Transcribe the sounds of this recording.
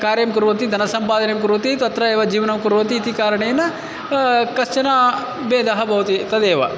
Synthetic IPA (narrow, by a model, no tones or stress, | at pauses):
kaːɾjɐmkuɾʋɐt̪̬id̪ʱɐnɐsɐmpaːd̪ʱɐnejmk̬uɾʋɐt̪it̪ɐt̪ɾɐeːʋɐd͡ʒiːʋɐnɐmkuɾʋɐt̪̬iːt̪ikaːɾɐɳejɐnːɐ | kɐst͡ʃɐnaː | beːd̪ɐɦɐbʱɐʋut̪it̪ɐd̪eːʋɐ̰